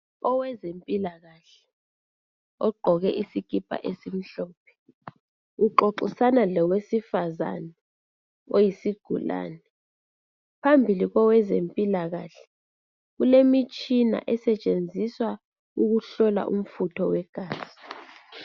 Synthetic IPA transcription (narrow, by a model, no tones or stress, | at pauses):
ɔwɛzempʼilaɣaɬɛ̥ | ɔɡ͡ǃʱɔɣɛʔisiɡ̥ʱipʼa̰ʔesim̩ɬɔːp̚ʰɛ̥ | uǃoǃusanalɔwesifaza̰nɛ | ojisiɡ̥ʱula̰ːnɛ | pʰambʱiliɣɔwɛzempʼilaɣaɬɛ̥ | ɣulemit͡ʃʼina̰ʔɛsɛt͡ʃʼend͡zʱiswa | uɣuɬɔla̰ʔṵm̩futʰɔwɛɡ̥ʱaːzi̥